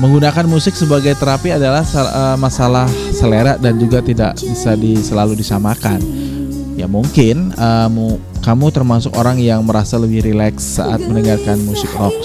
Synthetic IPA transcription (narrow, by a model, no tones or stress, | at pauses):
məŋɡunakanmusɪk̚səbaɡajt̪əɾapiadalahsəmasalahsəleɾaʔdand͡ʒuɡat̪ida̰ʔbisadisəlaludisamakan | jamuŋkɪnəmu | kamut̪ərmasʊkoɾaŋjaŋməɾasaləbɪhɾilɛksːa̰ʔa̰t̪̚mənəŋarkanmusɪkrɔk̚